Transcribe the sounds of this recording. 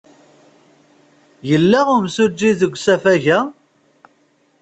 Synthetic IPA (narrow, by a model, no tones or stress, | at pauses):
jəlːæʊmsud͡ʒːiðəɡʷːsæfæʝæ